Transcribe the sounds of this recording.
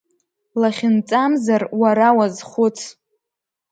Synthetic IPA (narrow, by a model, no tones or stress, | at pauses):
laχʲɪnt͡sʼamzarwaɾawazχʷʊt͡sʰ